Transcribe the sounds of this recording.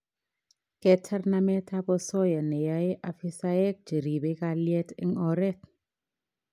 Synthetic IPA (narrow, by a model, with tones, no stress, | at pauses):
kɛ˦tʰa˦rna˦mɛ˦tʰa˦bɔ˦sɔ˦ja˨nɛ˨ja˦e˦ʔa˨fi˦sa˦ɛ˦k̚d͡ʒi˨ɾi˨be˦ka˦ljɛ˦tʰḭ˦ŋɔ˦ɾɛ˦t